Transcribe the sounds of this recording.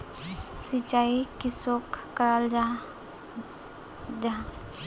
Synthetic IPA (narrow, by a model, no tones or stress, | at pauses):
sit͡ʃaikisokː | əɾald͡ʒ | d͡ʒã